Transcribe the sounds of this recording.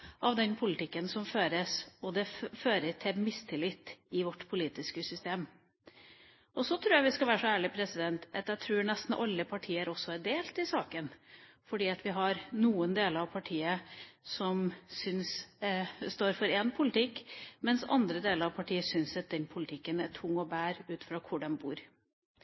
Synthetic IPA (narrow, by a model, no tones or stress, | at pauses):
ʔɑʋd̪ɛnpʰʊlɪt̪ʰɪkːənsɔmføːɾəsɔd̪ɛføːɾət̪ʰɪlmɪst̪ʰɪlɪt̪ːɪʋɔʈːpʰʊliːt̪ɪskəsʏst̪eːm | ʔɔsɔt̪ʰɾuːɾjæʋɪskɑlʋæːɾəʂɔæːɭɪpʰɾɛsɪd̪ɛnt̪ʔɑt̪jæt̪ʰɾuːɾɳɛst̪n̩ʔɑlːəpʰɑʈʰiːəɾʔɔsːɔæɖ̪eːlt̪ɪsɑːkənfɔɖiːɑt̪ʋɪɦɑɾnuːənd̪eːləɾɑʋpʰɑʈʰiːəsɔmsʏns | st̪oːɾfɔɾɛnpʰʊlɪt̪ʰɪkːmɛnsɑ̰nd̪ɾəd̪eːləɾɑʋpʰɑʈʰiːəsʏnsɑt̪̚d̪ɛnpʰʊlɪt̪ʰɪkːənæʈʰʊŋːɔbæːɾʉːt̪fɾɑːkʰʊɖɛmbuːɾ